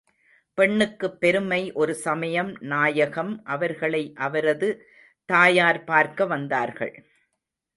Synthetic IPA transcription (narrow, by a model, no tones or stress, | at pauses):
pɛɳːɯkːɯpːɛɾɯmɐɪʔɔɾɯsɐmɐjɐmnaːjɐɣɐmʔɐʋɐɾɣɐɭɐɪʔɐʋɐɾɐðɯ | t̪aːjaːɾpaːɾkɐʋɐnd̪aːɾɣɐ̰ɭ